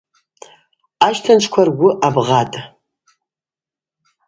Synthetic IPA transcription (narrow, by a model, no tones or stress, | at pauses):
aʃtʰant͡ʃʷʰkʷʰarɡʷʊʔabʁatʼ